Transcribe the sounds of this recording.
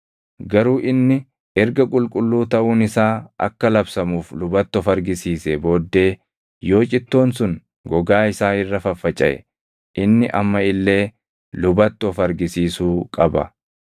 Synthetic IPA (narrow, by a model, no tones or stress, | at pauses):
ɡɐɾuːʔɪnːɪ | ɛɾɡɐkʼʊlkʼʊlːuːt̪ɐʔuːnɪsaːʔɐ̰kːɐlɐbsɐmuːflʊbɐt̪ːɔfɐɾɡɪsiːsɛbo̞ːd̪ːe̞ː | jo̞ːt͡ʃʼɪt̪ːo̞ːnsʊŋ | ɡɔɡaːɪsaːɪrːɐfɐfːɐt͡ʃʼːɐ̰ʔɛ̰ | ʔɪnːɪʔɐmːɐɪlːe̞ː | lʊbɐt̪ːɔfɐɾɡɪsiːsuːkʼɐbɐ̰